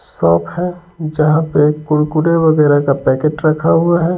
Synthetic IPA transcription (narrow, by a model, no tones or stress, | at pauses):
sɔːpʰɦɛd͡ʒəɦãpekʊɽkuɽeʋəɡɛːɾakapɛːkeʈɾəkʰaɦuaɦɛː